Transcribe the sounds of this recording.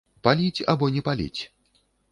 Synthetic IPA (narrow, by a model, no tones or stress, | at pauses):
palʲit͡sʲa̰bɔnʲɛpalʲḭt͡sʲ